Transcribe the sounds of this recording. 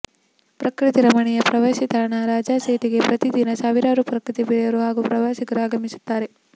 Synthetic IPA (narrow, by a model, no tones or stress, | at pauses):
pɾɐkɾit̪iɾɐmɐɳɛjɐpɾɐʋaːsit̪aːɳaɾaːd͡ʒaːseːʈiɡe̞pɾɐt̪id̪inɐsaːʋiɾaːɐɾupɾɐkɾit̪ibiɭjɐɾuɦaːɡupɾɐʋaːsiɡɐɾuaːɡɐmisu̥t̪ːaːɾe̞